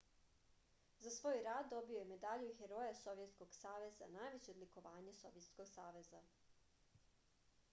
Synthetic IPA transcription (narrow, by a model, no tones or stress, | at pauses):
zasʋo̞ːjɾaːd̪ːo̞biojeme̞d̪aʎuxeɾo̞jaso̞ʋjet̪sko̞ɡ̥saːʋe̞za̰naːjʋet͡ɕed̪liko̞ʋaːɲeso̞ʋjet̪skoɡsaːʋe̞za